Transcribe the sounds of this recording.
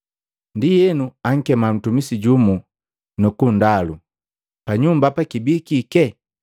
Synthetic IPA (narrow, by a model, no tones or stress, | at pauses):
ndijɛnuaŋ̩kɛman̩tumisiɟumu | nukundalu | paɲumbapakibikikɛ